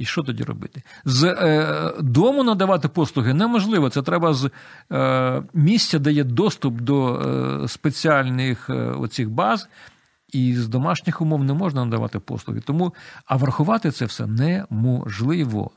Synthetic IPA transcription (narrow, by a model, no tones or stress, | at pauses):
iʃt͡ʃɔt̪ɔdʲḭrɔ̰bɪ̰t̪ɪz | d̪ɔmʊnɐd̪ɐʋɑt̪ɪpɔslˠʊɦɪnɛmɔʒlˠɪʋɔt̪sɛt̪ɾɛbɐz | mʲisʲtʲɐd̪ɐjɛd̪ɔst̪ʊpd̪ɔspet͡sʲiɑlʲnɪxɔ̰t͡sʲixbɑz | izd̪ɔmɑʃnʲɪxʊmɔwnɛmɔʒnɐnɐd̪ɐʋɑ̰t̪ɪpɔ̰slˠʊ̰ɦɪ̰t̪ɔmuɐʋɐrxʊʋɑt̪ɪt̪sɛwsɛ̰nɛmɔʒlˠɪʋɔ̰